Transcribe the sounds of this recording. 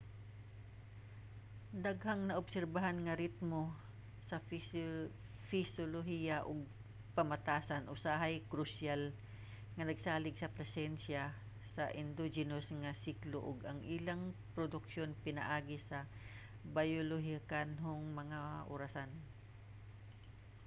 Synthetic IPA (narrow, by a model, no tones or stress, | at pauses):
d̪aɡhaŋnɐʔʊbsɛɾbaɦanŋɐɾɪt̪̚mo | sɐ | fɪsoloɦijɐʔʊɡ̚ | pɐmɐt̪aːsɐnʔosaɦajkɾʊsjal | ŋɐnɐɡsaːlɪɡsɐpɾɛsɛnsja | sɐʔɪnd̪od͡ʒɪnosŋɐsikloʔʊɡɐŋʔɪlaŋpɾod̪ʊkʃonpɪnɐ̰ʔaːɡɪsɐ | bajoloɦikanɦʊŋmɐŋaʔo̰ɾasan